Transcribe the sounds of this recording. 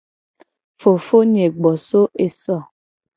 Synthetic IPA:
fo˨fo˦ɲ˨e˨ɡ͡bɔ˨so˦ʔe˨sɔ˦˨

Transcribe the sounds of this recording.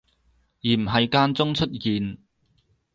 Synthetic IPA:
jiː˨˩m̩˨˩ɦɐ˨jkaː˧nt͡sʊ˥ŋt͡ʃʰɵ˥t̚jiː˨n

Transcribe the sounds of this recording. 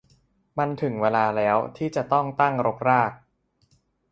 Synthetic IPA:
ma˧nt̪ʰɯ˨˩˦ŋweː˧laː˧lɛː˦˥wt̪ʰiː˥˩t͡ɕa˨˩t̪ɔ˥˩ŋt̪a˥˩ŋɾo˦˥k̚ɾaː˥˩k̚

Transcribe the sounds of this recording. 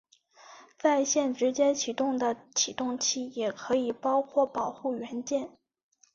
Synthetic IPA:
t͡sa˥˧ɪɕjɛ˥˩nʈ͡ʂɻ̩˧˥t͡ɕjɛ˥t͡ɕʰi˨˩t̪ʊ˥˩ŋd̪ə˩t͡ɕʰi˨˩t̪ʊ˥˩ŋt͡ɕʰi˥˩jɛ˨˩kʰɤ˧˥i˨˩pɑ˥ʊkʰwɔ˥˩pɑ˨˩ʊxu˥˩ɥɛ˧˥nt͡ɕjɛ˥˩n

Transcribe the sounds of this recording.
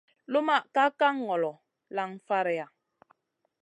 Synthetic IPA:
lo˦ma˦˨ʔka˦ka˦ŋː˨ɔ˨lɔ˨ | la˨ŋfa˦ɾɛ˨a˨

